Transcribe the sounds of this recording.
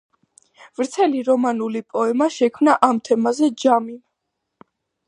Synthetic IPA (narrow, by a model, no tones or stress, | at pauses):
vɾt̪sʰɛliɾɔmanulipʼɔɛmaʃɛkʰmnaʔamt̪ʰɛmazɛd͡ʒamim